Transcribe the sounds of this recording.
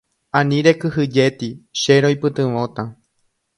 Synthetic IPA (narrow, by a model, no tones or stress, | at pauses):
ãnĩɾe̞kɨhɨd͡ʒe̞t̪iʃe̞ɾojpɨt̪ɨ̃ʋõ̞t̪a